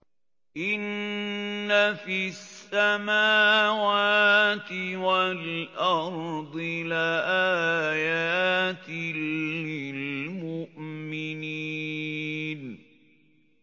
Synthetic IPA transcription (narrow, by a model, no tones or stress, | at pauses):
ʔɪnː | afisːamaːwaːt̪ɪwalʔɑɾˤd̪ˤɪlaʔaːjaːt̪ɪlɪlmʊʔmɪni | n